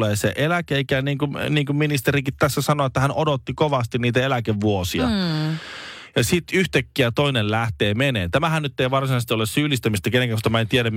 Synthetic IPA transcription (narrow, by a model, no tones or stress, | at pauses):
leːsḛʔelækeeikæniːŋkuniːŋkumminist̪eɾikit̪t̪æsːæsɑnoet̪ːæhænʔodot̪ːikoʋɑst̪inniːt̪æelækeʋʋuosiɑ̰ | jɑsit̪yht̪ækːiæt̪oinellæht̪eːmenḛːnt̪æmæhænnyt̪ːeiʋɑrsinɑst̪iolessyːlist̪æmist̪ækenẽŋkækost̪ɑmæent̪ieɾæm